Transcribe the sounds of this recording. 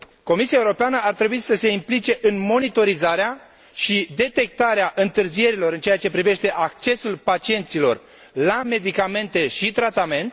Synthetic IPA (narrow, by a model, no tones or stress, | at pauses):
ko̞misiaeuɾo̞peanəart̪ɾe̞buisəse̞implit͡ʃe̞ʔɨnmo̞nit̪o̞ɾizaɾea | ʃid̪e̞t̪e̞k̚t̪aɾeaʔɨnt̪ɨrzije̞ɾilo̞ɾɨnt͡ʃejat͡ʃe̞pɾive̞ʃt̪e̞ʔak̚t͡ʃe̞sulpat͡ʃie̞nt̪silo̞̰r | lame̞d̪ikame̞nt̪e̞ʃit̪ɾat̪ame̞nt̪